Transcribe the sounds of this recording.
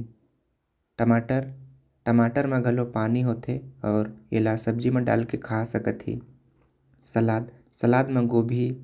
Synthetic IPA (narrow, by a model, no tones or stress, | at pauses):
ʈəmaʈəɾ | ʈəmaːʈəɾmẽɡʱɐlopaːniɦoːt̪ʰeɔːɾḛːlaːsəbd͡ʒimẽɖa̰ːlkekʰaːsɐkət̪ḭː | səlaːd̪ | sɐlaːd̪mẽɡoːbʱi